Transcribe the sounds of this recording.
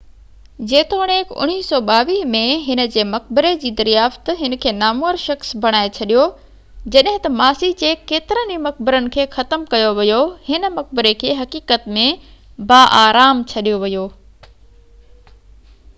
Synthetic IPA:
d͡ʑeːt̪ʰoɽ̃eːkʊ̰ɽ̃iːsɔːɓaːʋiːmẽɦɪnə̆d͡ʑeːmɐk̚bɪɾed͡ʑiːd̪ɐɾijaːft̪ɦɪnəkʰeːnaːmuːəɾʃɐxsbʱɐɽ̃aːet͡ɕʰɐɗijo | d͡ʑɐɗɦɪ̃t̪ɐmaːsid͡ʑeːkeːt̪ɪɾənimɐk̚bɪɾənɪ̆kʰeːxɐt̪əmkɐjoʋɪjohɪnə̆mɐk̚bɪɾekʰeːɦɐkiːkət̪mẽbaːʔaːɾaːmt͡ɕʰɐɗijoʋɐjoː

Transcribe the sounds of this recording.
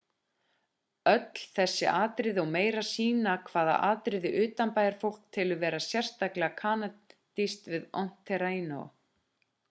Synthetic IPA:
œt̪l̥θɛsːɪ̰ʔaːt̪ɾɪðɔɣmeːjɾasiːnakʰv̥aːða̰ʔaːt̪ɾɪðɪʔʏːt̪anpaːjaɾ̥fowl̥k̚t̪ʰɪlʏvɛːɾasjɛr̥st̪aklɪɣakʰaːnat̪ist̪vɪðɔwn̥t̪ʰɛɾainɔ̰

